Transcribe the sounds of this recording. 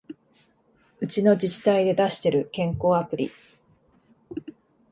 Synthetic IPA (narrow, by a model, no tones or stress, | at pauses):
ɯ̟t͡ɕino̞d͡ʑit͡ɕi̥t̪aid̪e̞d̪aɕi̥t̪e̞ɾɯ̟kẽ̞ŋko̞ːapɯ̟ɾʲḭ